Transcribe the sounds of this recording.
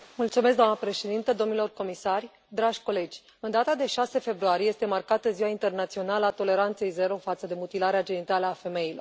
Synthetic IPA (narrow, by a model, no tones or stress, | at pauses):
mult̪sume̞s̬kd̪oamnəpɾe̞ʃe̞d̪int̪əd̪o̞mnilo̞rko̞misarʲ | d̪ɾaʒʲko̞le̞d͡ʒʲ | ɨnd̪at̪ad̪e̞ʃase̞fe̞bɾuaɾijeje̞st̪e̞markat̪əziwaint̪e̞rnat̪sio̞naləat̪o̞le̞ɾant̪se̞jze̞ɾo̞fat̪səd̪e̞mut̪ilaɾead͡ʒe̞nit̪aləafe̞me̞ilo̞r